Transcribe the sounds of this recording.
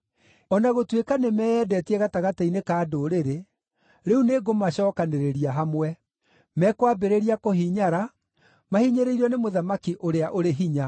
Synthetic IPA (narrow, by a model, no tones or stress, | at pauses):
ɔnaɣotwekanemɛɛdɛtiɛɣataɣatainekaːdoɾeɾe | ɾeuneɡomaɕɔːkaneɾeɾiaɦamwɛ | mɛkwabeɾeɾiakohiɲaɾa | mahiɲeɾeiɾɔnemoðamakiʔoɾeaʔoɾeɦiɲa